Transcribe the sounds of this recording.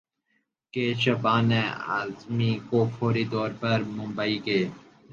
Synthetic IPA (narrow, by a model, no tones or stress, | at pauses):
keːɕɐbaːnea̰ːzmikoːfoːɾid̪ɔːɾpəɾmʊmbaiːɡeː